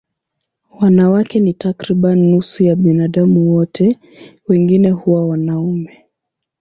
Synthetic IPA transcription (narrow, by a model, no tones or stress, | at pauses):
wanawakɛnitakɾiɓanːusujaɓinaɗamuwɔtʰɛ | wɛŋɡinɛhuwawanaumɛ